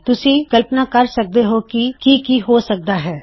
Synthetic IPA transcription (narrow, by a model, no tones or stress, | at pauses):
t̪ʊsikɐlpnakɐɾsɐk̚d̪eɦokikikiɦosɐk̚d̪aɦɛː